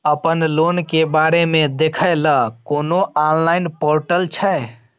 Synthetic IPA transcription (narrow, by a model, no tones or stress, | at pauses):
əpənlonkebaɾemed̪ekʰəjləkonoʔanlainpoɾʈəlt͡ʃʰəe